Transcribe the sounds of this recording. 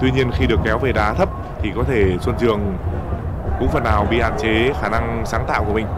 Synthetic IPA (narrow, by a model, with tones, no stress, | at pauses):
t̪wi˧ɲi˧ənxi˧ɗɨ˨˩əkːɛ˨˦wve˨˩ɗaː˨˦t̪ʰə˦˥p̚ | t̪ʰi˨˩kɔ˨˦t̪ʰe˧˩swə˧nzɨ˨˩əŋ | kʊ̰˧˥ŋ͡mfə˨˩nːaː˨˩wɓḭ˧˨ha̰ː˧˨nt͡ɕe˨˦xaː˧˩na˧ŋsaː˨˦ŋt̪a̰ː˧˨wku˧˩əmï˨˩ŋ̟